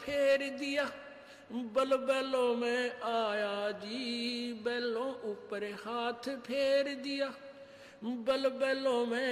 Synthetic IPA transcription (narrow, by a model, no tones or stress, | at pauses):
pʰeːɾd̪ɪjaː | bəlbɛːlõːmɛ̃ːaːjaːd͡ʒiːbɛːlõːʔʊpːəɾehaːt̪ʰpʰeːɾd̪ɪjaː | bəlbɛːlõːmɛ̃ː